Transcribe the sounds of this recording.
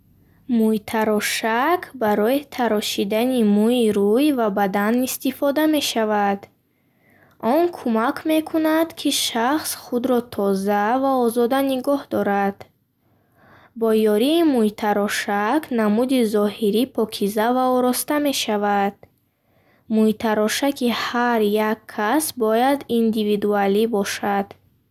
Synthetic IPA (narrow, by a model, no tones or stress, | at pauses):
mujt̪ʰaɾɔʃakʰbaɾɔit̪ʰaɾɔʃid̪animuiɾujvabad̪anist̪ifɔd̪ame̞ʃavad̪ | ʔɔnkʰumakʰme̞kʰunad̪kʰiʃaχsχud̪ɾɔt̪ʰɔzavaɔzɔd̪aniɡɔhd̪ɔɾad̪̥ | bɔjɔɾiːmuit̪ʰaɾɔʃakʰnamud̪izɔhiɾipʰɔkʰizavaɔɾɔst̪ame̞ʃavad̪̥̚ | muit̪ʰaɾɔʃakihaɾjakʰːasbɔjad̪ind̪ivid̪ualibɔʃad̪̥